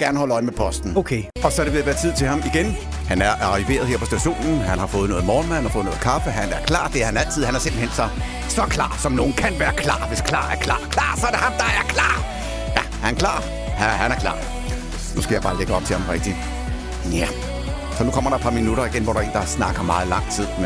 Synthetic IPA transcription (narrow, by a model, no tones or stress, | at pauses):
ɡ̥æɐnəhɒ̽ləɒ̽ɪəmepʰɒ̽sd̥n̩okʰe | ɒ̽sɒɾe̝ʋe̝jæʋæːɐt͡sʰið̞̰ˠt͡sʰe̝hɑ̈miɡ̥en | hænæɐʔɑ̈ʁiʋe̝̰ːɐð̞ˠheɐpʰɒ̽sd̥æɕo̝̰ːnn̩ɦænhɑ̈fɔ̽ːð̞̩ˠnɔ̽ːð̩ˠmɒːnmæhænhɑfɔ̽ːð̩ˠnɔ̽ð̩ˠkʰɑ̈fəɦænæɐkʰlɑ̰̈ːd̥e̝æɐhænæl̰t͡sʰið̰ˠhænæɐse̝mb̥l̩hensɒ̽ | sɒkʰlɑ̰̈ːsɒ̽mno̝ːn̩kʰænʋæːɐkʰlɑ̰̈ːʋe̝skʰlɑ̰̈ːæɐkʰlɑ̰̈ːkʰlɑ̰̈ːsɒæɐɾe̝hɑ̈md̥ɑ̈æɐkʰlɑ̰̈ː | jæ | hænkʰlɑ̰̈ː | hæhænæɐkʰlɑ̰̈ː | nusɡ̥æjb̥ɑ̈ːleɡ̥əɒ̽b̥̚t͡sʰe̝hɑ̈mʁɛɡ̥̚d̥i | jæ | sɒ̽nukʰɒ̽m̰ɐɾ̥ɑ̥̈pʰɑ̈minuɾɐiɡ̥enʋɒ̰ːɾ̥ɑ̈e̝ːnd̥ɑsnɑ̈ɡ̥ɐmɑ̈ːðˠlɑ̈ŋ̰t͡sʰið̰ˠm